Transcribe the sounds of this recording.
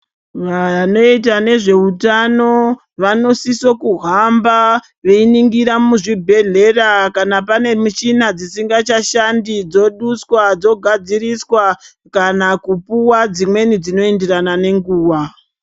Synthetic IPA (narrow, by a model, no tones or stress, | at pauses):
ʋano̞it̬ane̞ʐe̞utano̞ | ʋano̞siso̞kuɦamba | ʋeiniŋɡiɾamuʐibʱe̞ɮe̞rakanapane̞mut͡ʃinad͡zisiŋɡat͡ʃaʃandid͡zo̞ɗuswad͡zo̞ɡʱad͡ziɾiswa | kanakupuwad͡zimwe̞nid͡zino̞endiranane̞ŋɡuːwa